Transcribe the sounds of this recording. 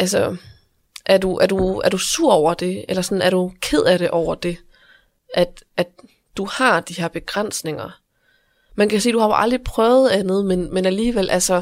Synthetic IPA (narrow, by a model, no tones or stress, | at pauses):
ʔælsə | ʔæɐduʔæɐd̥uæɐɾusuɐ̰ɒʊ̰ɐd̥e̝elɐsɒ̽nn̩æɐɾ̥ukʰe̝ð̞̰ˠæɾe̝ʔɒʊ̰ɐd̥e̝ | ʔæd̥ʔæd̥ | d̥uhɑ̈d̥iheɐb̥e̝ɡ̥ʁɑn̰sne̝ŋɐ | mænkʰæsiːd̥uhɑ̈joʔɑ̈ld̥ʁipʰʁœːʊð̩ˠænðˠmenmenæliːʋel̰ʔælsə